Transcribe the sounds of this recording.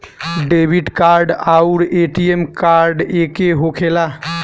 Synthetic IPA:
ɖebʱiʈkaɾɖaʊɾeʈiemkaɾɖekeɦokʰela

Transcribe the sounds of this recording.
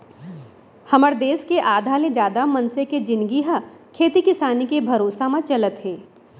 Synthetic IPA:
hɐməɾd̪eːskeʔaːd̪ʱaːlẽd͡ʒjaːd̪amɐnseked͡ʒɪ̃nɡiɦakʰeːt̪ikɪsaːnikebʱɐɾoːsamãt͡ʃɐlət̪ɦeː

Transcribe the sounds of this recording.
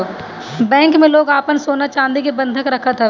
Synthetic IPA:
bɛ̃ːŋkmẽloːɡaːpənsoːnat͡ʃãːnd̪ikebɐ̃nd̪ʱəkɾɐkʰət̪ɦɛ

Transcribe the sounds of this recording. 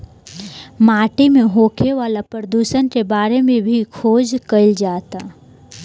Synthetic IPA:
maːʈimẽɦoːkʰeʋaːlapɾəd̪uːʃənkebaːɾemẽbʱikʰoːd͡ʒkəɪld͡ʒaːt̪a

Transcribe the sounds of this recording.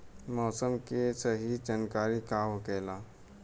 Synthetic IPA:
mɔːsəmkesəɦid͡ʒankaːɾikaʋkɛːla

